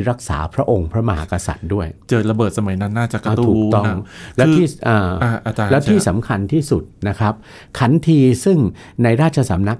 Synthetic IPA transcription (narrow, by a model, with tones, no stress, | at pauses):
ɾa˦˥k̚sa̰ː˩˦pʰɾa˦˥ʔo˧ŋpʰɾa˦˥ma˧ɦa̰ː˨˦ka˧sa̰˨˩t̪̚du˥˩əjt͡ɕɤː˨˩t̪̚ɾa˧bɤː˨˩t̪̚sa˧ma˩˦jna˦˥nːaː˥˩t͡ɕa˨˩ka˧˥˩t̪tuuː˨˥˩t̪ɔ˥˩˧ŋlɛ˦˥wːt̪ʰiː˥˩ʔaː˧˩aː˧˩a˧˩t͡ɕaː˧lɛ˦˥w̪ʰiː˥˩sa˩˦mkʰa˧nt̪ʰiː˥˩su˨˩t̪̚na˦˥kʰɾa˦˥p̚ | kʰa˩˦˥nt̪ʰiː˧sɯ˥˩ŋ | na˧jɾaː˥˩t̪̚t͡ɕʰa˧sa˩˦mna˦˥k̚